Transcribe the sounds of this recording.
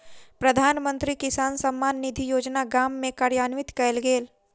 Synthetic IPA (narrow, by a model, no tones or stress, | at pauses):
pɾɐd̪ʱaːnmə̃nt̪ɾikɪsaːnsɐmːaːnːɪd̪ʱijoːd͡ʒnaɡaːmːẽkaːɾjaːnʋɪt̪kɛlɡeːl